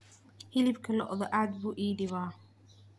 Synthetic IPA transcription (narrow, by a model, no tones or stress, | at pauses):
hɪlɪbkʰɐnɔ̰ʔðɔʔaːd̪̚buːʔiːɖɪβaː